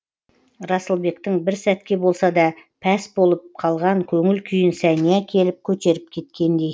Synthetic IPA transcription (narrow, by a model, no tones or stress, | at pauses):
ɾɑsəlˠbe̞kt̪ɪŋbɪɾsæt̪kʲe̞bo̞lˠsɑd̪ɑpʰæsbo̞lˠəp̚qʰɑlˠʁɑŋkʲʰɵŋɪlkʲʰʏjɪnsænijækʲʰe̞lɪp̚kʲʰɵt̪e̞ɾɪp̚kʲʰe̞t̪̚kʲe̞nd̪e̞j